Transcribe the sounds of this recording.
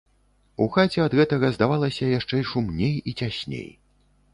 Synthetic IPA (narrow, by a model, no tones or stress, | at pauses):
uxat͡sʲɛɐd̪ɣɛt̪ɐɣɐzd̪avalˠɐsʲɐjaʂt͡ʂɛʂumnʲejit͡sʲasʲnʲḛj